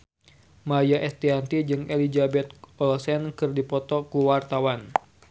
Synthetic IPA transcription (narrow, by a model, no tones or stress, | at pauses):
majaʔɛst̪iant̪id͡ʒɨŋelid͡ʒabɛt̪̚ɔlsɛnkɨrdipɔt̪ɔkuwart̪awan